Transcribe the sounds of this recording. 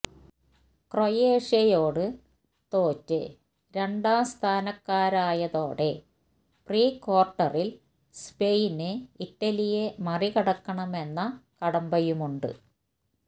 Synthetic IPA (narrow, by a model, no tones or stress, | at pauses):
krojeːʂɐjoːɽɨ | t̪o̞ːtːɨ | ɾe̞ɳɖaːst̪ʰaːnɐkːaːɾaːjɐðo̞ːɽe̞ | priːko̞ːrʈːɐril | spejinɨiʈːɐlijemɐrikɐɽɐkːɐɳɐme̞nːɐkɐɽɐmbɐjumuɳɖɨ̰